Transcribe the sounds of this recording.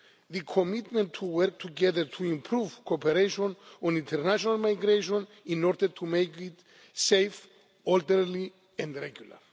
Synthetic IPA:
ðɨkʰomitmɛ̃ntʰuwɜɾk̚tʰuɡɛðəɹtʰuĩmpʰɾuv̥kʰopɛɾeʃɔ̃nɔ̃nĩntʰɛɹnaʃɔnalmajɡɾeʃɔ̃n | ĩnɔɾd̪əɾtʰumejkit | sejf | ɔltɛɾli | ɛ̃ndɹɛɡjula̰ɹ

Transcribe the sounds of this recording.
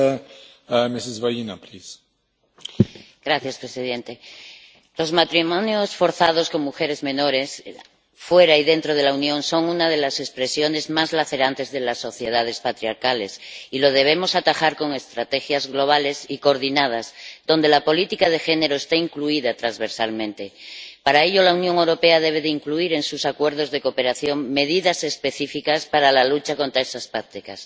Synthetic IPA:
mesizβajinapɾis | ɡ̥ɾaθjaspɾesiðẽ̞nt̪e | lo̞zmat̪ɾimonjosfo̞ɾθað̞o̞sko̞ŋmuxe̞ɾe̞zmẽ̞no̞ɾe̞s | fwe̞ɾaiðe̞nt̪ɾoð̞e̞launjõ̞nso̞ŋunað̞e̞lase̞spɾe̞sjo̞ne̞zmazlaθe̞ɾant̪e̞zðelasːo̞θje̞ð̞að̞e̞spat̪ɾiaɾkale̞silo̞ð̞e̞β̞e̞mo̞sat̪axaɾko̞ŋe̞st̪ɾat̪e̞xjazɣlo̞β̞ale̞sikoɾðinað̞azðo̞nd̪e̞lapo̞lit̪ikað̞e̞xe̞ne̞ɾo̞est̪aiŋkluiðat̪ɾanzβe̞ɾsalmẽnt̪e̞paɾaeʎo̞launjõ̞ŋe̞wɾo̞pe̞að̞e̞β̞e̞ðeiŋkluiɾe̞nsusakwe̞ɾð̞o̞zðe̞ko̞pe̞ɾaθjo̞ŋme̞ðiðase̞spe̞θifikaspaɾalalut͡ʃako̞nt̪ɾaesaspakt̪ikas

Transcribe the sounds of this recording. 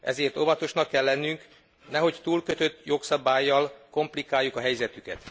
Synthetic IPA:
ʔɛ̰zeːrt̪o̞vɒt̪o̞ʃnɒkːɛlːɛnːyŋk | nɛɦo̞ct̪uːlkø̞t̪ø̞t̪ːjo̞ksɒbaːjːɒlko̞mplikaːjːukɒɦɛjzɛt̪ykɛ̰t̪

